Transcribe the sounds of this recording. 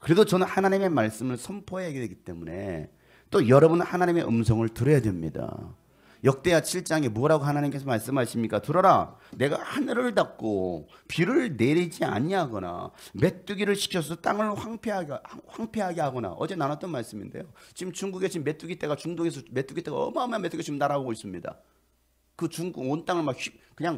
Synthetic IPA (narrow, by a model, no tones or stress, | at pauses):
kɯɾe̞dot͡ɕʌnɯnhanaɲime̞maɭs͈ɯmɯɭsʰʌmpʰoeɦeɡedwe̞ɡit͈e̞mune̞̰ | t͈ojʌɾʌbunɯhanaɲime̞ʔɯ̰msʰʌŋɯɭtɯɾʌjadwe̞mɲḭda̰ | jʌk̚t͈e̞jat͡ɕʰiɭt͡ɕ͈aŋemuʌɾaɡoɦanaɲimk͈e̞sʰʌmaɭs͈ɯmɦaɕ͈imɲik͈atɯɾʌɾane̞ɡahanɯɾɯɭnak̚k͈opiɾɯɭne̞ɾid͡ʑia̰ɲiaɡʌna̰me̞t͈uɡiɾɯɭɕʰi̥kʰjʌs̬ʰʌt͈aŋɯɭɸwaŋpʰeaɡhɸwaŋpʰe̞ɦaɡe̞ɦaɡʌna̰ʔʌ̰d͡ʑe̞nanat͈̚ʌnmaɭs͈ɯminde̞̰jot͡ɕimt͡ɕuŋɡuɡet͡ɕimːe̞t͈uɡit͈e̞ɡat͡ɕuŋdoɡe̞s̬ʰʌme̞t͈uɡit͈e̞ɡaʌ̰mamanmet͈uɡet͡ɕimnaɾaboɡois͈ɯmɲida̰ | kɯt͡ɕuŋɡuɡont͈aŋɯɭmak̚ɕʰip̚kɯɲaŋ